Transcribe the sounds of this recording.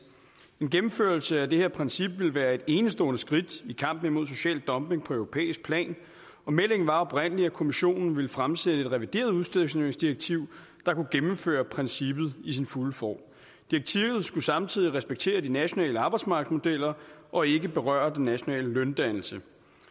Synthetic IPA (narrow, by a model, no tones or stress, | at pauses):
e̝nɡ̥emm̩føɐlsəæd̥ehe̝ɐpʰʁɛnsib̥ʋe̝lʋæːɐe̝d̥e̝nəsd̥ɔ̰̽ːnəsɡ̥ʁid̥ikʰɑ̈m̰b̥n̩imo̝ð̞̰ˠs̬o̝ɕɛ̰ːld̥ːɒ̽mb̥e̝ŋpʰɒ̽œʊʁo̝pʰḛːisɡ̥̚pʰlɛ̰ːn | ɒ̽mel̰e̝ŋn̩ʋɑ̈ɒ̽b̥ʁen̰əliækʰo̝miɕo̝̰ːnn̩ʋe̝ləfʁamsed̥əe̝d̥ʁɛʋid̥e̝̰ːɐð̞ˠuðˠsd̥eð̰ˠsneeŋsd̥iɐɡ̥̚t͡sʰiʊ̰ | d̥ɑ̈kuɡ̥emm̩fø̰ːɐpʰʁɛnsib̥ð̞̩ˠisinfulfɒ̰ː | d̥iɐɡ̥̚t͡sʰiʊð̞̩ˠsɡ̥usɑ̈mt͡sʰið̞̰ˠiʁɛsb̥eɡ̥̚t͡sʰe̝̰ːɐd̥inæɕo̝nɛ̰ːləɑ̈ːb̥ɑ̈ɪd̥smɑ̈ɡ̥smo̝d̥el̰ɐʔɒ̽e̝ɡ̥əb̥e̝ʁɶɐd̥enːæɕo̝nɛ̰ːləlœnd̥æn̰l̩sə